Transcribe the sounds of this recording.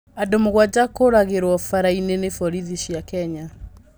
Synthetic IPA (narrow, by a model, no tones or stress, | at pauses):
adomoɣwad͡ʑakoɾaɣeɾwɔfaɾainenefɔɾiðiɕjakɛɲa